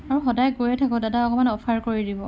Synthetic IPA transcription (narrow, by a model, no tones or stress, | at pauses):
aɹuxɔdajɡojɛtʰakɔdadaɔkɔmanɔpʰaɹkoɹidibɔ̰